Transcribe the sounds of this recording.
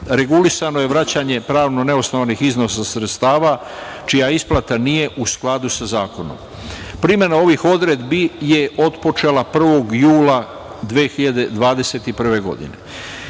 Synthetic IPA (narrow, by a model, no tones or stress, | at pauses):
ɾe̞ɡulisanoje̞ʋɾat͡ɕaɲe̞pɾaːʋnone̞osnoʋnixizno̞sasɾet̪st̪aːʋa | t͡ʃijaisplˠat̪anije̞ʔusklˠad̪usazaːko̞no̰m | pɾime̞nao̞ʋixo̞d̪ɾed̪bije̞o̞t̪po̞t͡ʃe̞lapr̩ʋo̞ɡjuːla | d̪ʋeːxiʎad̪e̞d̪ʋaːd̪e̞se̞t̪ipr̩ʋe̞ɡo̞̰d̪ḭnḛ